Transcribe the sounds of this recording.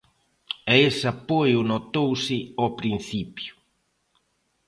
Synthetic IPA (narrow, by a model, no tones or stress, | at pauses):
ɛesapojʊnot̪owsɪɔpɾin̟θipjʊ